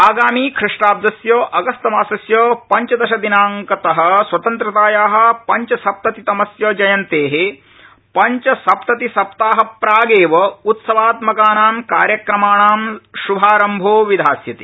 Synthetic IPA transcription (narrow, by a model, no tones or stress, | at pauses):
aːɡaːmiːkʰɾiʂʈaːb̚d̪ɐsjoːʔɐɡɐst̪ɐmaːsɐsjoːpɐɲt͡ʃɐd̪ɐʃɐd̪inaːŋkɐt̪ɐɦɐ̆swɐt̪ɐnt̪ɾɐt̪aːjaːɦɐ̆pɐɲt͡ʃɐsɐp̚t̪ɐt̪it̪ɐmɐsjɐːd͡ʒɐjɐnt̪eːɦe | pɐɲt͡ʃɐsɐpt̪ɐt̪isɐp̚t̪aːɦɐpɾaːɡeːʋɐut̪sɐʋaːt̪mɐkaːnaːmka̰ːɾjɐkɾɐmaːɳaːmʃubʱaːɾɐmbʱoːʋid̪ʱaːsjɐt̪i̥